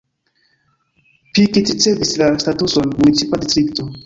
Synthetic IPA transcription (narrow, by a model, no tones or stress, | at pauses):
pikitit͡sevislastatusonmunit͡sipadistɾikto